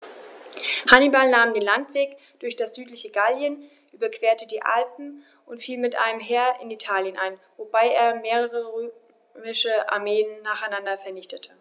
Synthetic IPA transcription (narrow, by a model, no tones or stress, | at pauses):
hanibalnaːmdeːnlantv̥eːk | d̥ʊɐçd̥asz̥yːtlɪçəɡaljən | ʔyːbɐkv̥eːɐtədiːʔa̰lp̚m̩ | ʔʊntfiːlmɪtʔa̰ɪnəmɦeːɐʔɪnitʰaːljənʔaɪnvobaɪʔeːɐmeːʁ̞əʁəʁyː | mɪʃəʔa̰ɐmeːənːaːχaɪnandɐfɛɐnɪçtətʰə